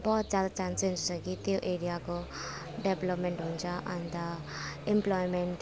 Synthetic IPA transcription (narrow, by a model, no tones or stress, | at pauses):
bɔɦut̪̚d͡zad̪at͡ʃansẽnd͡ʒsʰakit̪joʔeɾijako | ɖebləpmeɳʈɦũnt͡ʃʰaʔɐnd̪a | emplɔjmeɳʈ